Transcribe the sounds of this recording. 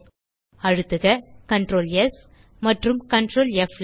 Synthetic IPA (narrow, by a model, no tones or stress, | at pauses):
ɐɻɯt̪ːɯɣɐkɐɳʈroːlɛs | mɐʈrɯmkɐɳɖɾoːlɛfl